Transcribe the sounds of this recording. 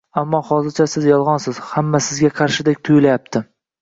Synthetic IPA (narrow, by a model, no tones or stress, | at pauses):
amːɒhɒzɪɾt͡ʃʰasɪzjɒlˠʁɒnsɪz̥hamːasɪzɡʲaqʰɑɾʃɪd̪ekʲt̪ʰʊjlajap̚t̪ʰɪ